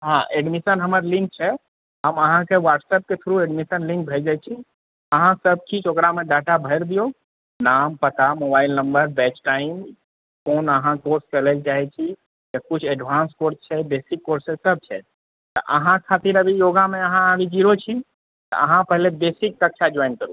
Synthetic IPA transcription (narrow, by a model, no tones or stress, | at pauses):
ɦãʔeɖmisənɦəməɾlĩŋk̚t͡ʃʰɛ | ɦəməɦãkewaʈsɛp̚ket̪ʰuɾueɖmisənlĩŋk̚bʱəjd͡ʒajt͡ʃʰi | əɦãsəb̚kit͡ʃokɾameɖaʈabʱəjɾd̪ijo | nampət̪amobailnəmbəɾbɛt͡ʃʈaim | konəɦãkoɾskəlɛkd͡ʒaɦɛt͡ʃʰi | d͡ʒəkut͡ʃʰeɖbʱanskoɾst͡ʃʰɛbesikːoɾsesəb̚t͡ʃʰɛ | t̪ɔ̰ʔəɦãkʰat̪iɾəbʱijoɡameəɦãabʱid͡ʒiɾot͡ʃʰi | t̪ɔ̰ʔəɦãpəɦlebesik̚ɾək̚ʃʰad͡ʒɔinkəɾu